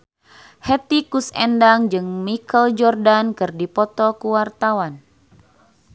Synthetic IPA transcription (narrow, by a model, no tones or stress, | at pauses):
hɛt̪ikusɛndaŋd͡ʒɨŋmikəld͡ʒɔrdankɨrdipɔt̪ɔkuwart̪awan